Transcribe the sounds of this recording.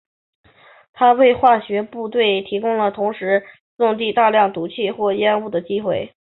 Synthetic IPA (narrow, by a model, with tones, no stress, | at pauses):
t̪ʰa˥we˥˧ɪxwa˥˩ɕɥɛ˧˥pu˥˧t̪we˥˩ɪt̪ʰi˧˥kʊ˥ŋlə˨t̪ʰʊ˧˥ŋʂɻ̩˧˥ | sʊ˥˧ŋt̪̬i˥˧t̪a˥˧ljɑ˥˩ŋt̪u˧˥t͡ɕʰi˥˧xwɔ˥˩jɛ˥nu˥˩d̪ə˩t͡ɕi˥xwe˥˩ɪ